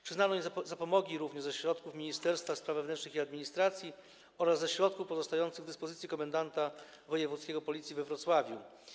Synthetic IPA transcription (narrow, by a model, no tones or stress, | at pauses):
pʂɨznanɔizzapɔmɔɡʲiɾuvɲɛʐzɛɕɾɔt̪kufmʲiɲist̪ɛɾst̪faspɾavɛvnɛnt͡ʂnɘxiad̪mʲiɲist̪ɾat̪sʲji | ɔɾazːɛɕɾɔt̪kufpɔzɔst̪ajɔnt̪sɘɣvd̪ɘspɔzɘt̪sʲikɔmand̪ant̪a | vɔjɛvut̪skʲɛɡɔpɔlʲit̪sʲjivɛvɾɔt̪swavʲjṵ